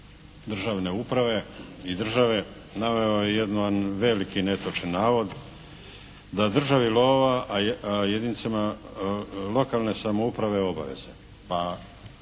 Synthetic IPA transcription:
d̪r̩ʒaʋne̞upɾaʋe̞id̪r̩ʒaʋe̞ | naʋeojed̪nanʋelikine̞t̪ot͡ʃenːaːʋo̞d̪ | d̪ad̪r̩ʒaʋiloːʋaʔajed̪init̪sema | lo̞kalne̞samoupɾaʋe̞o̞ba̰ʋe̞̰z̥e | pa

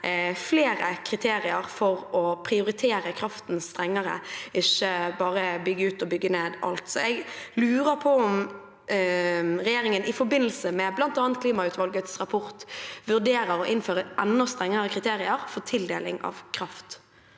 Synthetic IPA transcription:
fleːɾəkʰɾɪt̪ʰeːɾɪəɾfɔʁɔpʰʁɪʊɾɪt̪ʰeːɾəkʰɾɑft̪n̩st̪ɾɛŋːəʁə̰ɪçːəbɑːɾəbʏɡːəʉːt̪ɔbʏɡːəneːd̪ɑ̰lt̪sɔɛɡlʉːʁəpʰɔɔm | ʁɛjeːɾɪŋənɪfɔɾbɪnːəlsəmɛblɑnt̪ɑːnt̪̚kʰliːmɑʉːt̪ʋɑlɡət̪sʁɑpʰɔʁt̪ʋʉʁd̪eːɾəɾɔʔɪnføːɾəʔɛnːɔst̪ʁɛŋːəʁəkʰʁɪt̪ʰeːɾɪəɾfɔʁt̪ʰɪld̪ḛːlɪ̰ŋɑ̰ʋkʰɾɑft̪

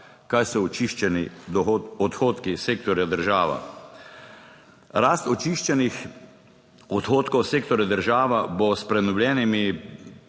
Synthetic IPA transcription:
kaːjsɔɔt͡ʃiʃt͡ʃɛnid̪ɔɔt̪xoːt̪kiseːk̚t̪ɔɾjad̪əɾʒaːʋa̰ | ɾaːst̪ɔt͡ʃiʃt͡ʃɛnix | ɔt̪xoːt̪kɔwseːkt̪ɔɾjad̪əɾʒaːʋabɔspɾɛnɔwlʲjɛːnimi

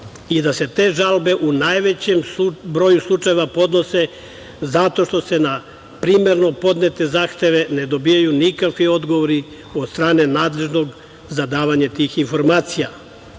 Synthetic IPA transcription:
id̪ase̞t̪e̞ːʒalbe̞ʔunajʋe̞t͡ɕembɾo̞juslˠut͡ʃajeʋapo̞d̪no̞se̞ | zat̪o̞ʃt̪o̞se̞na | pɾiːme̞ɾno̞po̞d̪net̪e̞zaːxt̪e̞ʋe̞ne̞d̪o̞bijajunikakʋio̞d̪ɡoʋoɾi | od̪st̪ɾaːne̞naːd̪le̞ʒno̞ɡ | zad̪aːʋaɲat̪iːxinfo̞ɾmaːt̪sija

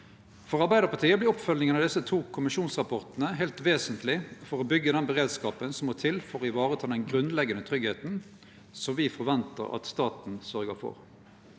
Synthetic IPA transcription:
fɔʁɑʁbæɪd̪əʁpɑt̪iːəblɪːɔpfœlnɪŋənɑd̪ɪsːət̪ʰuːkʰʊmɪʃuːnsʁɑpʰɔʁt̪nəɦæːlt̪ʋeːsənt̪lɪfɔʁɔbʏɡːəd̪ɛnbəʁeːd̪skɑːpənsɔmːɔt̪ʰɪlfɔʁɔɪʋɑːʁət̪ʰɑːd̪ɛnɡʁʉnlɛɡənət̪ʰʁʏɡheːt̪n̩ | sɔmʋɪfɔɾʋɛnt̪ə̰ʁɑ̰t̪st̪ɑːt̪n̩sœʁɡəfɔ̰ʁ

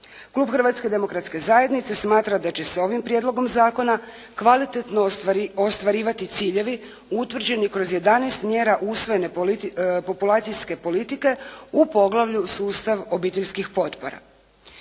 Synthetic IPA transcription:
klˠuːbxr̩ʋaːt̪ske̞d̪e̞mo̞kɾat̪ske̞zaːjed̪nit̪se̞smaːt̪ɾad̪at͡ɕe̞seo̞ʋimpɾjed̪lo̞ɡo̞mzaːko̞na | kʋalit̪et̪no̞ost̪ʋaɾiːʋat̪it̪siːʎe̞ʋi | ut̪ʋr̩d͡ʑe̞nikɾo̞zje̞d̪anɛjst̪mje̞ːɾaʔusʋo̞jene̞ | po̞pulˠaːt̪sijske̞po̞lit̪ike̞upo̞ɡlˠaʋʎusuːst̪aʋo̞biːt̪eʎʲskixpo̞t̪po̞ɾa̰

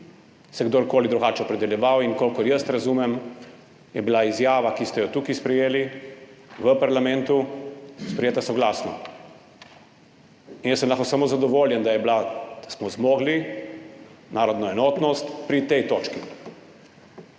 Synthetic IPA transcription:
sɛɡd̪oːɾkoːlid̪ɾuɡaːt͡ʃɛɔpɾɛd̪ɛljɛʋawinkoːlkɔjəst̪ɾazuːmɛm | jɛbilaizjaːʋakist̪ɛjɔt̪ukispɾɛjeːli | ʋəpaɾlamɛ̃nt̪uspɾɛjeːt̪asɔɡlaːsnɔ̰ | injəsːəmlaxkosamoːzad̪ɔʋoːljɛnd̪ajɛblad̪̥asmɔzmɔːɡli | naːɾɔd̪nɔɛnɔːt̪nɔst̪pɾit̪ɛjt̪oːt͡ʃki

